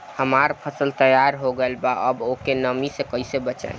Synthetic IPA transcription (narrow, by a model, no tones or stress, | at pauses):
həmaɾpʰəsəlt̪əjaɾɦoɡelbaʔəbokenəmisekəisebət͡ʃə̰